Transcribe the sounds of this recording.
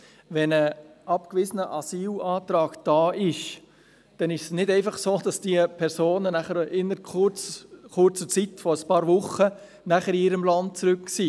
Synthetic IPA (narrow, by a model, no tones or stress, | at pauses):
ʋɛnəʔɑpkʋɪzənəʔɑsiːlɑːt̪ɾɑːkd̥ɑːʔɪʃ | d̥ɛnɪʃsnɪdɛɪfɑχsoːd̥ɑsd̥iəpʰɛɾsoːnənæχəɾɪnəɾkʊt͡skʊɾt͡sət͡sitfɔɾəspɑːɾvʊχːə | næχəɾiɪɾəmlɑnt̚t͡sɾʉkːsi